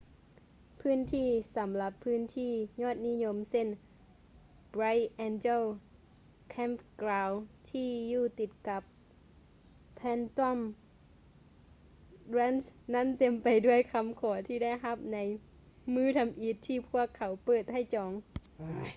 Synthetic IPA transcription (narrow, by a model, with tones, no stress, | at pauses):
pʰɯː˥˨nt̪ʰiː˧˩sa˨˦mla˧˦pʰːɯː˧˥˨nt̪ʰiː˧˩ɲɔː˧˥˩t̪̚ni˦˧˥ɲo˧˥mse˧˥˨n | bɾa˧˥jʔɛ˧nt͡ɕe˧l | kʰɛː˧˥˨mklaː˧wt̪ʰiː˧˥˩juː˧˩t̪i˧˩t̪̚ka˧˦p | ɛː˧˥nt̪ɔ˧˥˨m | ɾɛː˧˥˨nsna˧˥˨nt̪e˧˩mpa˨jdu˥˩əjkʰa˧˥mkʰɔː˩˦t̪ʰiː˧˩da˥˩˨jɦa˧˦p̚na˨˦j | mɯː˧˥˩t̪ʰa˨˧˦mʔi˧˦t̪ʰːiː˧˩pʰu˥˩əkʰːa˨˦wpɤː˧˩t̪̚ha˧˩jt͡ɕɔː˨˦ŋ